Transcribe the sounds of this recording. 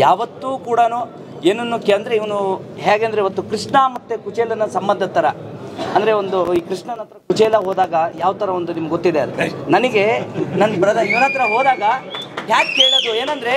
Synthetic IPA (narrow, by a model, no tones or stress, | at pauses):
jaːʋɐt̪ːuːkuːɽɐnu | eːnːɐnːukeɐnd̪ɾeiʋɐnuɦaːɡeːnd̪ɾeiʋɐt̪ːukɾiʂɳɐmɐt̪ːekut͡ʃɛːlɐnɐsɐmbɐnd̪ʱɐt̪ɐɾɐɐnd̪ɐɾe̞ond̪uiːkɾiʂɳɐnɐt̪ɾɐkut͡ʃɛlɐɦɔːd̪aːɡɐjaːʋɐt̪ɐɾɐond̪unimɐɡɡot̪ːid̪eɐd̪nɐniɡe̞nɐnːpɾɐd̪ɐiʋɐnɐt̪ːɾɐɦɔːd̪aːɡɐɦjaːk̚keːɭɐd̪ueːnɐnd̪ɾe̞